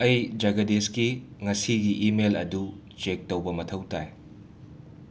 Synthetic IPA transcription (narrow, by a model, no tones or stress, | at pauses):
ɐjd͡ʒaɡɐdeskiŋɐsiɡiʔimelɐ̰du | t͡ʃek̚tɐwbɐmɐtʰɐwta̰j